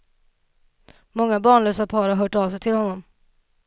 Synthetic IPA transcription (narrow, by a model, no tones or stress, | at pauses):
mɔŋːabɑːɳɭøːsapʰɑːɾaɦœːʈɑːvsɛjt̪ʰɪlhɔnːɔm